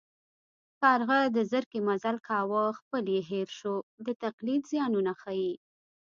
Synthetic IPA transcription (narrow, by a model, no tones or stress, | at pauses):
kɑɾɣəd̪əzəɾkimazalkʰɑwəxpəljeɦeɾʃod̪ət̪aqlid̪zjɑnunaxaji